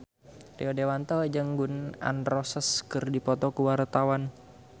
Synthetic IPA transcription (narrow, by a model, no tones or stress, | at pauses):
rḭɔdewant̪ɔd͡ʒaŋɡuna̰nrɔsəskɨrdipɔt̪ɔkuwart̪awan